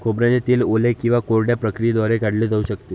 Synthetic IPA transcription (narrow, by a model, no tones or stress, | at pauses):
kʰobɾad͡ʑet̪iːlolekĩw̃ʋakoɾɖjapɾəkɾijed̪ʋaɾeɡaɽled͡zauːɕəkt̪e